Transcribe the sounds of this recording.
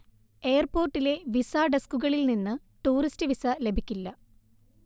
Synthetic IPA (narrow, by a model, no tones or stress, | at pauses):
e̞ːɐrpo̞ːrʈːile̞ʋisaːɖeskuɣɐɭilninːɨ | ʈuːɾistɨʋisɐle̞bʱikʲːilːɐ